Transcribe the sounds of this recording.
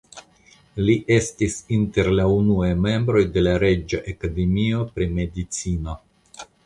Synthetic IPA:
liʔe̞stisinte̞ɾlaunuajme̞mbɾo̞jde̞laɾe̞d͡ʒaʔekade̞mio̞pɾime̞dit͡sino̞

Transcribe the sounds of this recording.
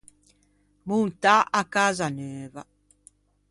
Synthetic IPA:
munt̪aʔakazanøːva

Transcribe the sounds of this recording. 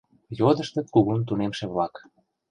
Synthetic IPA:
jod̪ə̆ʃt̪ɤ̆kuɣunt̪̬unemʃeβlɑk

